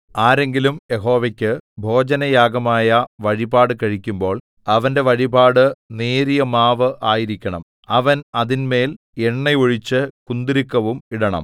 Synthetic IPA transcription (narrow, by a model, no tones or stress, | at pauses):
aːɾe̞ŋɡilumjeɦo̞ːʋekʲːɨbʱo̞ːd͡ʑɐnɐjaːɡɐmaːjɐʋɐɻibaːɽɨkɐɻikʲːumbo̞ːɭ | ɐʋɐnde̞ʋɐɻibaːɽɨneːɾijɐmaːʋɨʔʔaːjiɾikʲːɐɳɐ̰m | ɐʋɐnɐðinme̞ːl | eɳːɐjoɻit͡ɕːɨkund̪iɾikːɐʋumiɽɐɳɐ̰m